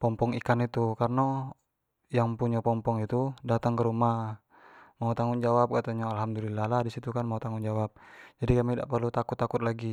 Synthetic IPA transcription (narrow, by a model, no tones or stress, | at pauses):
pɔmpɔŋikanit̪ukarna | jaŋpuɲapɔmpɔŋit̪udat̪aŋkəɾumah | maut̪aŋʊnd͡ʒawap̚kat̪aɲaalɦamdulilːahlahdisit̪ukanmaut̪aŋʊnd͡ʒawap̚d͡ʒadikamidaʔpərlut̪akʊt̪ːakʊt̪̚laɡi